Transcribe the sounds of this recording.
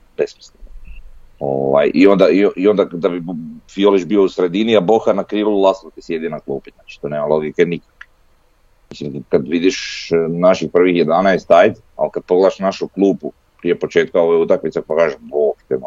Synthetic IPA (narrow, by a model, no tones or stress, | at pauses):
besmislin | o̰ʋa̰jio̞nd̪aioʔio̞nd̪ad̪abifioliʒbiousɾe̞d̪iniaboxanakɾiːʋlˠulˠasot̪isjed̪ionaklˠuːpiznat͡ʃi̥t̪oneːmalˠo̞ɡikenikḁk | misimkad̪ʋid̪iʃnaʃixpr̩ʋixjed̪anajest̪ajt̪ | a̰lkad̪̚poɡled̪aʃnaʃuklˠuːpu | pɾijepo̞t͡ʃeːt̪kaoʋojeut̪akmit̪sapakaːʒeʃboxt̪em